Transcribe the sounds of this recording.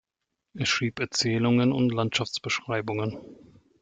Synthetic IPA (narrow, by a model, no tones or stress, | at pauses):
ʔɛsʃʁ̥iːpɛɐt͡sɛːlʊŋənʊntlantʃaft͡sb̥əʃʁ̥aɪbʊŋən